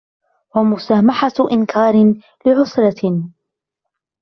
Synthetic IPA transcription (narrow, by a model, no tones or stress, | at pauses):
wamʊsaːmaħaʔɪnkʰaːɾɪ | lɪʕʊsɾɑ